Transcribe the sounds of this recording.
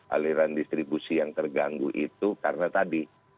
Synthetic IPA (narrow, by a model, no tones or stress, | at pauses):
ʔa̰liɾandist̪ɾibusijaŋt̪ərɡaŋɡuʔit̪ukarənat̪adi